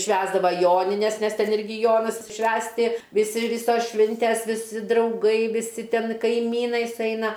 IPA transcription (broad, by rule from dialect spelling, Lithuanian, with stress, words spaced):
ˈʃʲʋʲæːzdɐʋɐ ˈjoːnʲɪnʲɛs nʲɛs ˈtʲɛn ˈɪrʲɡʲɪ ˈjoːnɐs ˈʃʲʋʲæːsʲtʲɪ ʋʲɪˈsʲɪ ˈʋʲɪsoːs ˈʃʲʋʲɪnʲtʲɛs ʋʲɪˈsʲɪ drɐʊˈɡɐɪ ʋʲɪˈsʲɪ ˈtʲɛn kɐɪˈmʲiːnɐɪ sʊˈɛɪnɐ